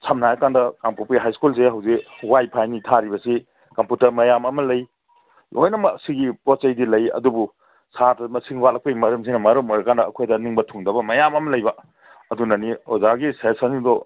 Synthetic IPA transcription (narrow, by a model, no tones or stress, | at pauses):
sʰɐmnajɐkandɐkampupiɦajskuls̬eɦɐwzikwajpʰajnitʰaɾibɐsi | kɐmputɐɾmɐjamɐmɐlɐj | ʔo̰jnɐmɐsiɡipɔt͡ʃɐjdilɐjɐ̰dubu | satɐmɐsiŋwatlɐk̚pɐjimɐɾɐms̬inɐmɐɾɐmoɾɐkandɐɐkʰojdɐniŋbɐtʰuŋdɐbɐmɐjamɐmɐlɐjbɐ | ɐdunɐniozaɡisesɐnsidɔ